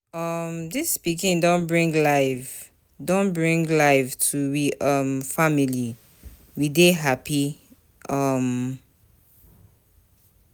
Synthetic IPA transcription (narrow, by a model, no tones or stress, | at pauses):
ʌmdɪspikĩndõnbɹĩŋɡlaɪv | dõnbɹĩŋlaɪvtʰuwiʔʌmfamili | wideɦapi | ʔʌm